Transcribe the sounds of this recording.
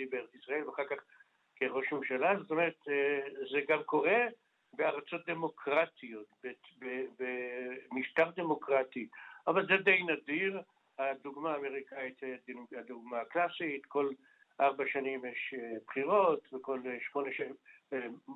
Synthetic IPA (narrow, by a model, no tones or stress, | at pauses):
ibeeʁet͡sisʁaelveaχaʁkaχ | keʁo̞ʃmemʃalazot̪omeʁet̪zeɡamko̞ʁe̞ | beaʁat͡so̞t̚d̪e̞mo̞kʁatijo̞tbebebemiʃt̪aʁd̪e̞mo̞kʁatiʔavalzed̪ejnad̪iʁ | had̪uɡmaːme̞ʁikait̪edhad̪uɡmaklasit̪ko̞l | ʔaʁbaʃanimjeʃebχiʁo̞t̪veko̞lʃmo̞neʃ